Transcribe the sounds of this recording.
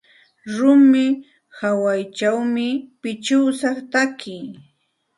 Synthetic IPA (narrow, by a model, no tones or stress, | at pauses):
ɾʊmɪ | hawajt͡ʃawmɪpɪt͡ʃʊːsɑχt̪akɪj